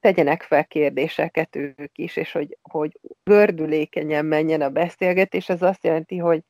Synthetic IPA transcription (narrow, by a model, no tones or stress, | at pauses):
t̪ɛɟɛnɛkfɛlkeːrd̪eːʃɛkɛt̪øːkiʃeːʃho̞ɟho̞ɟɡørd̪yleːkɛɲɛmːɛɲːɛnɒbɛseːlɡɛt̪eːʃɛzɒst̪jɛlɛnt̪iɦo̞ɟ